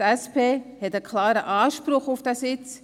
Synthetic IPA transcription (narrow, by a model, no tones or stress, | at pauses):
ɛspeːhɛtəkʰlaːɾəʔaːʃpɾʊχʊfd̥ɛsɪt͡s